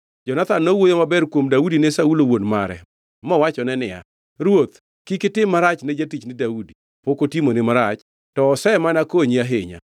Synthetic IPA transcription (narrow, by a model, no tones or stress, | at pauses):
d͡ʒɔnat̪anːowojomabɛrkwomdaudinesaulowonmaɾɛ̰ | mɔwat͡ʃɔnɛnɪja̰ | ɾwot̪ | kikɪtɪmːaɾat͡ʃned͡ʒatit͡ʃnɪdaudi | pokotimonɪmaɾat͡ʃ | tɔːsɛmanakoɲiaɦeɲa̰